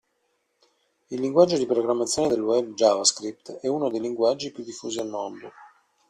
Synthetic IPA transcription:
ilːiŋɡwad͡ʒːod̪ipɾoɡɾamːat̪sːjoːned̪elːuɛb̚d͡ʒavaskɾip̚t̪ɛunod̪ejliŋɡwad͡ʒːipjud̪ːifːuːzialmond̪o

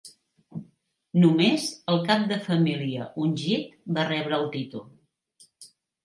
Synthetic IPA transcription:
numezəlˠkap̚d̪əfəmiliəʔunʲʒit̪̚barɛβɾəːlˠt̪it̪ulˠ

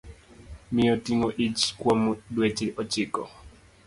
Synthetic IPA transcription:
mɪɔtiŋoʔit͡ʃkwomdwet͡ʃɪʔɔt͡ʃɪkɔ̰

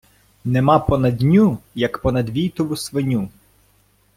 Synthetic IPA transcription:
nɛmapɔnɐd̪ʲnʲujɐkpɔnɐd̪ʋʲijt̪ɔʋʊsʋɪnʲu

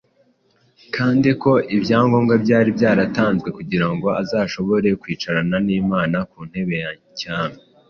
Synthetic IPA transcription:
kʰaːndiko̞ʔibjaːŋɡo̞ːŋɡabɟaːɾibjaːɾataːnzɡwe̞kuɟiɾaŋɡo̞azaːʃo̞βo̞ɾe̞kwiːt͡ʃaɾananiːmaːnakuːn̥he̞βe̞jaɲcaːme

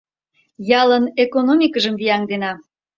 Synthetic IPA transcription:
jɑlənekonomʲikəʒəmvijɑŋd̪enɑ

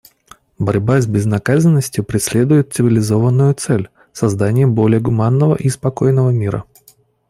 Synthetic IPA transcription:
bɐɾʲbazʲbʲɪznɐkazənːəsʲtʲjʊpɾʲɪsʲlʲe̞d̪ʊjɪt̪̚sɨvʲɪlʲɪzo̞vənːʊjʊt̪sɛlʲ | sɐzd̪anʲɪjəbo̞lʲɪjəɡʊmanːəvə̰ʔispɐko̞jnəvəmʲiɾə̰

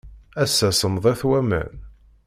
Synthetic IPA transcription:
æsːæsəmðˤæθwæmæ̰n

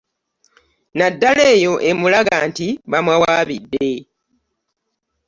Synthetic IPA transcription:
nadːale̞ːjo̞ʔe̞mulaɡantiβamwawaːβidːe̞

